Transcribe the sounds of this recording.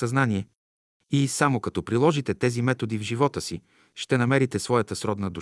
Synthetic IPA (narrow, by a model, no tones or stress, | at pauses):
ɐznaniɛ | isamokɐt̪ɔpɾilˠɔʒit̪ɛt̪ɛzimɛt̪od̪ivʒivɔt̪əsi | ʃt̪ɛnɐmɛɾit̪ɛsvɔjət̪əsɾɔd̪nəd̪u